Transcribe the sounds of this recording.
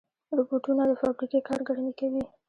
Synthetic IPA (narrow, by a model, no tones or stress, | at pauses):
ɾʊboʈunad̪əfabɾikekɑɾɡaɽamikawi